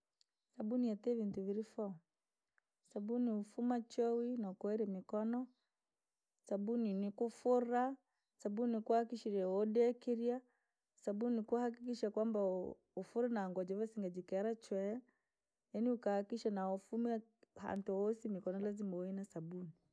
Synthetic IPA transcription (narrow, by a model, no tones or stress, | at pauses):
sabuniatɛvintuviɾifɔ | sabuniufumat͡ʃɔwinakuɛɾɛmikɔnɔ | sabuninikufuɾa | sabuinikuahakiʃiɾɛɔdɛkiɾia | sabunikuahak̬ik̬iʃakwamba | ufuɾanaːŋɡwad͡ʒɔvɛsiŋɡad͡ʒikɛɾat͡ʃwɛ | janiukahakiʃanaɔfumɛha̰ntuɔsimikɔnɔlazimɔinasabuni